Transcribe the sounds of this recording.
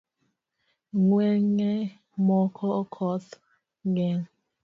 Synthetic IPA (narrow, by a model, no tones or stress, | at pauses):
ŋwɛŋɛ | mɔkʰɔkʰɔt | ŋɡɛŋ